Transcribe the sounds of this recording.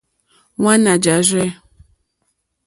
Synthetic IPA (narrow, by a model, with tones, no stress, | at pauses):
wa˦na˨d͡ʒa˨zɛ˦